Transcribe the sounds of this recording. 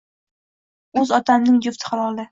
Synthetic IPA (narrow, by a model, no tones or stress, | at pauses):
ɵzɒt̪ʰamnɪŋd͡ʒʊft̪ʰɪ̥χalɒlˠɪ